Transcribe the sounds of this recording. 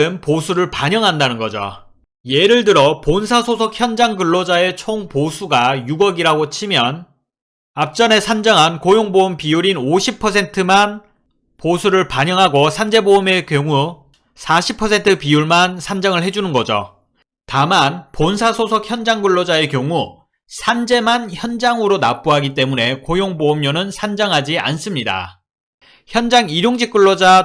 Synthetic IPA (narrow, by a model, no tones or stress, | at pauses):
ɯnposʰuɾɯɭpaɲʌŋɦandanɯnɡʌd͡ʑo̰ | je̞ɾɯɭdɯɾʌponsʰasʰosʰʌk̚ʰçjʌnd͡ʑaŋɡɯɭːod͡ʑae̞t͡ɕʰoŋposʰuɡajuɡʌɡiɾaɡot͡ɕʰimjʌn | ap̚t͡ɕ͈ʌne̞sʰand͡ʑʌŋɦankojoŋboumpijuɾinoɕʰipʰʌs̬ʰe̞ntʰɯman | posʰuɾɯɭpaɲʌŋɦaɡosʰand͡ʑe̞boume̞kjoŋu | sʰaɕʰipʰʌsʰe̞ntʰɯpijuɭmansʰand͡ʑaŋɯɭɦe̞d͡ʑunɯnɡʌd͡ʑo̰ | tamanponsʰasʰosʰʌk̚ʰçjʌnd͡ʑaŋɡɯɭːod͡ʑae̞kjʌŋu | sʰand͡ʑe̞mançjʌnd͡ʑaŋɯɾonap͈uɦaɡit͈e̞mune̞kojoŋbomɲonɯnsʰand͡ʑaŋɦad͡ʑia̰ns͈ɯmɲida̰ | çjʌnd͡ʑaŋiɾjoŋd͡ʑik͈uɭːod͡ʑa